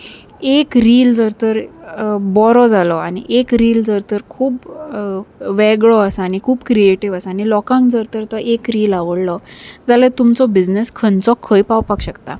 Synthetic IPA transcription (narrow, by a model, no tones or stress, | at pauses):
ekɾiːld͡zəɾt̪əɾ | bɔɾɔd͡zalɔaɽ̃ḭʔekɾiːld͡zəɾt̪əɾkʰuːp | ʋɛɡɭɔəsaaːɽ̃ikʰuːbkɾieʈiʋəsaːñilɔkãŋkd͡zəɾt̪əɾt̪ɔʔekɾiːlaʋəɽlɔd͡zalet̪umt͡sɔbid͡zneskʰənt͡sɔkʰəjpawpakɕəkt̪a̰